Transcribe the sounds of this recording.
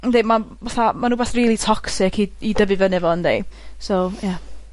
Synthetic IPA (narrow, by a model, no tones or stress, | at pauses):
ndejmavaθamanuːbɛːθriːlˠitʰɔksɪkʰiidəvɨvənɪɛvɔəndejsowja